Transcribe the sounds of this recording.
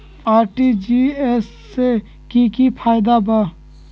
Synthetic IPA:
aːɾʈid͡ʒiɛs | e | kikipʰaːjd̪aba

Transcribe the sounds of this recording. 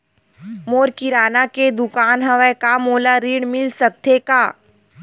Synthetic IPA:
moːɾkiɾaːnaked̪ʊkaːnɦɐʋəjkamoːlaɾiːɽmɪlsɐk̚t̪ʰekaː

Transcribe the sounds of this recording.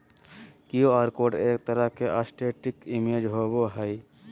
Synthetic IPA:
kijoaːɾkoːɖeːk̚t̪əɾəɦkeʔasʈeːʈɪkimeːd͡ʒɦoːboɦəj

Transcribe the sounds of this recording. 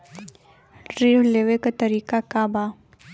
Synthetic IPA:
ɾiwleʋekat̪əɾiːkakaba

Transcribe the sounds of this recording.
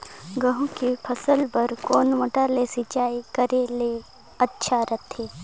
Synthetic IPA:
ɡəɦũkipʰəsəlpəɾkoːnmɐʈalesɪt͡ʃaːikəɾele | ɐtːʃʰaɾət̪ʰɦeː

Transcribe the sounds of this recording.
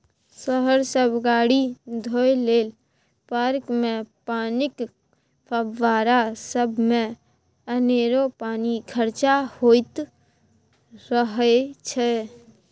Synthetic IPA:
səɦəɾsəbʱɡaːɽid̪ʱojleːl | paɾkmepaːnɪk | pʰəbʋaɾasəbʱmẽ | əneɾopaːnikʰəɾt͡ʃahojt̪ | ɾəɦət͡ʃʰɛ

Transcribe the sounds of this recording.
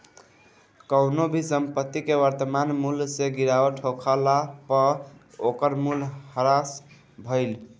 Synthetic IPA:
kəʊnobʱisəmpət̪ːikewəɾt̪əmanmulseɡiɾaəʈʰokʰalapə | okəɾmulhəɾas | bʱəɪl

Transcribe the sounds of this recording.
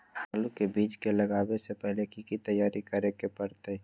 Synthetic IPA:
aːlukebiːt͡ʃkelɐɡaːwesepɛɦlekikit̪əjaːɾikəɾekepəɾt̪e

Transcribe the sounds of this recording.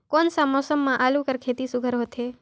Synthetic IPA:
konsamɔsəmːãʔaːlũkəɾkʰet̪isʊɡʱəɾɦot̪ʰe

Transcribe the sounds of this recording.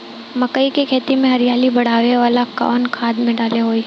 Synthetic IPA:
mɐkəikekʰeːt̪imẽɦɐɾijaːlibɐɽ̤aːʋeʋaːlaka̰ːnkʰaːd̪mẽɖaːleɦoːiː

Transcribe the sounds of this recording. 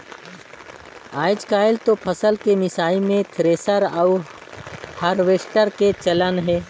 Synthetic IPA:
aːɪd͡ʒkaːɪlt̪opʰɐsəlkemɪsaːimẽt̪ʰɾeːsəɾaʊ | həɾʋeːsʈəɾket͡ʃɐlənɦɛː

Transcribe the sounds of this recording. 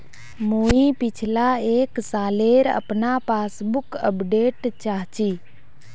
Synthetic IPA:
muipɪt͡ʃʰlaeːksaːleːɾə̰pnapaːsbʊkəpɖeːʈt͡ʃaɦt͡ʃiː

